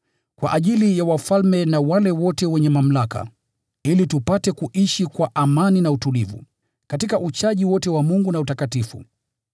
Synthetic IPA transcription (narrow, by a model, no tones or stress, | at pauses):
kwaʔaʄilijawafalmɛnawalɛwɔtɛwɛɲɛmam̩laka̰ | ilitupatɛkuʔiʃikwaʔamaninautulivṵ | katikaʔut͡ʃaʄiwɔtɛwamuŋɡunautakatifṵ